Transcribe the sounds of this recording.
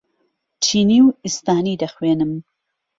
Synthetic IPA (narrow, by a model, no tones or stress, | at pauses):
t͡ʃʰiːniːwist̪aːniːd̪ɐxweːnɨm